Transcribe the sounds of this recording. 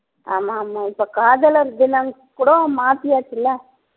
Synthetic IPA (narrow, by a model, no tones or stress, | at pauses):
a̰ːmaːmaːɪpːokaːðɐlɐɾɪðɪlɐŋ | kʊɽɐ̃maːt̪ɪjaːt͡ʃːɪlːɐ